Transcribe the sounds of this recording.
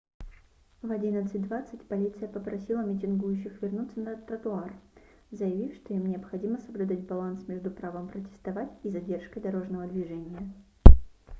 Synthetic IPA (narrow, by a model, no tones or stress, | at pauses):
vɐdʲinət̪sɨt̚ʲd̪vat̪sɨtʲpɐlʲit̪sɨjəpəpɾɐsʲilˠəmʲɪtʲɪnɡujʉɕːɪxvʲɪrnut̪sənət̪ɾət̪ʊar | zəjɪvʲifʂt̪o̞imnʲɪɐpxɐdʲiməsəblʲʉd̪atʲbɐlˠansmʲeʐd̪ʊpɾavəmpɾətʲɪ̥st̪ɐvatʲizɐdʲe̞rʂkəjd̪ɐɾo̞ʐnəvəd̪vʲɪʐɛnʲɪjə